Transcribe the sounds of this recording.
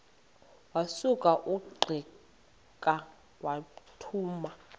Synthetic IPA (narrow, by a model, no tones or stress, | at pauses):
wasukʼaʔuɡ͡ǃʱi | kʼa | watʰuːma